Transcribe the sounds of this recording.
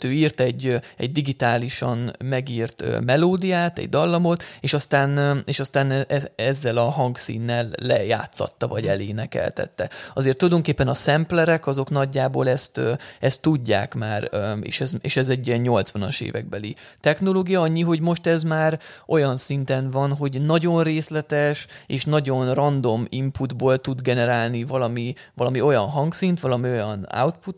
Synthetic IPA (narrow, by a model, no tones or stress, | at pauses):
t̪øːiːrt̪ɛɟːɛ̰ɟd̪iɡit̪aːliʃɒnmɛɡiːrt̪ø̰mɛloːd̪ijaːt̪ɛ̰ɟ̚d̪ɒlːɒmo̞t̪eːʃɒst̪aːneːʃɒst̪aːnɛʔɛɛzːɛlɒɦɒŋksḭːnːɛlːɛja̰ːt̪sɒ̰t̪ːɒvɒɟɛleːnɛkɛ̰lt̪ɛ̰t̪ːɛɒzeːrt̪ːulɒjd̪o̞ŋkeːpːɛnɒsɛmplɛɾɛkɒzo̞knɒɟːaːboːlɛst̪ːɛst̪ːuɟːa̰ːkmaːɾḛːʃɛzeːʃɛzɛɟːiɛɲɲo̞lt̪sʋɒnɒʃḛːvɛ̰ɡ̚bɛli | t̪ɛxno̞loːɡijɒɒɲːiɦo̞ɟmo̞ʃt̪ɛzmaːɾʔo̞jɒnsint̪ɛnvɒnɦo̞ɟnɒɟonreːslɛt̪ɛʃeːʃnɒɟo̞nrɒnd̪o̞mimpud̪boːlt̪ud̪ɡɛnɛɾaːlnivɒlɒmivɒlɒmio̞jɒnɦɒŋksint̪ʋɒlɒmio̞jɒna̰wt̪put̪ː